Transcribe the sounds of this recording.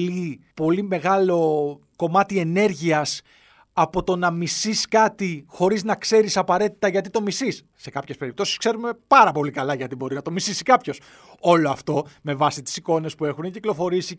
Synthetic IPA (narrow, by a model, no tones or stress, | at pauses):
lipo̞lime̞ɣɐlo̞ | ko̞mɐt̪ie̞ne̞ɾʝiɐs | ɐpo̞t̪o̞nɐmisiskɐt̪ixo̞ɾiznɐkse̞ɾisɐpɐɾe̞t̪i̥t̪ɐʝɐt̪it̪o̞misisːe̞kɐpçe̞spe̞ɾipt̪o̞si̥skse̞ɾume̞pɐɾɐpo̞likɐlɐʝɐt̪ibo̞ɾinɐt̪o̞misisikɐpços | o̞lo̞ɐft̪o̞me̞vɐsit̪i̥siko̞ne̞spue̞xuneciklo̞fo̞ɾisi